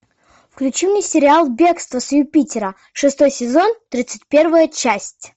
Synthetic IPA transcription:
fklʲʉt͡ɕimnʲɪsʲɪɾʲɪalˠbʲe̞kst̪vəsjʊpʲitʲɪɾə | ʂɨst̪o̞jsʲɪzo̞nt̪ɾʲit̪sɨtʲpʲe̞rvəjət͡ɕæsʲtʲ

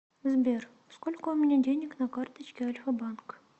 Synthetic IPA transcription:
zbʲer | skolʲkʊʊmʲɪnʲadʲenʲɪknɐkart̪ət͡ɕkʲɪɐlʲfəbank

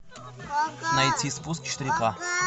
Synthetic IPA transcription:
nɐjt̪ʲʰispuskʲʃt̪ɾʲika

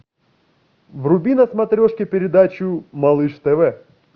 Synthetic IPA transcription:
vrʊbʲinɐsmɐt̪ɾʲoʂkʲɪpʲɪɾʲɪd̪at͡ɕʊmɐlˠɨʂt̪ɛvɛ

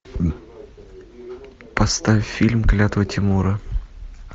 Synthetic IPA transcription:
pɐst̪avʲfʲilʲmklʲat̪əvətʲɪmuɾə

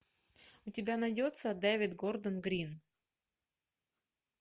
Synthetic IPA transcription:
ʊtʲɪbʲanɐdʲot̪səd̪ɛvʲɪt̪ɡord̪ənɡɾʲin

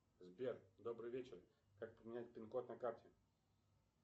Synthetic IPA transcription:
zbʲerd̪obɾɨjvʲet͡ɕɪr | kak̚pəmʲɪnʲæt̚ʲpʲɪnkot̪nɐkartʲɪ

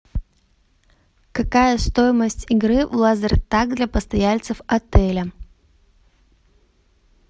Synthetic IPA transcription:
kɐkajəst̪ojɪməsʲtʲɪɡɾɨvlˠazəɾʲt̪ak̚d̪lʲɐpəst̪ɐjalʲt̪sɨfɐt̪ɛlʲə

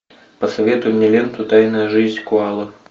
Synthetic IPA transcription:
pəsɐvʲet̪ʊjɪmnʲelʲent̪ʊt̪ajnəjəʐɨzʲnʲkʊalˠə

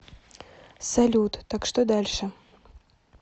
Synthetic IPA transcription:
sɐlʲut̪t̪akʂt̪od̪alʲʂɨ

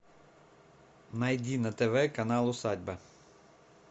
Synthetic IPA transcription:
nɐjdʲinɐt̪eʋɛkɐnɑlˠʊsɑdʲbɐ

